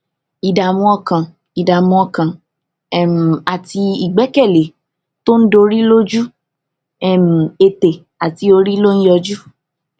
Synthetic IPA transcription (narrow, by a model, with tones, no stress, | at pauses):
i˨da˨mũ˧ɔ˧kã˨ | i˨da˨mũ˧ɔ˧kã˨˦˨ | m̩˨a˨ti˧i˨ɡ͡bɛ˨˦kɛ˦˨le˨˦ | to˦n̩˦do˧ɾi˦lo˦d͡ʒu˦ | ɛ˦˨m̩˨e˧te˨ | a˨ti˧˦o˧ɾi˦lo˦ñ̩˦jɔ˧d͡ʒu˦